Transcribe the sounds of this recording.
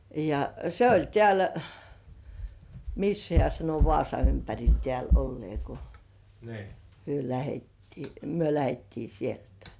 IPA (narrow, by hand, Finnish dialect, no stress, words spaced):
jɑ se olʲ tĕæˑl misːæ hĕæˑ sɑno ʋŏɑˑsɑ ympærʲil tĕæˑl olːĭeˑ ko hyø læhetːiː myø læhetːiː sieltæ̥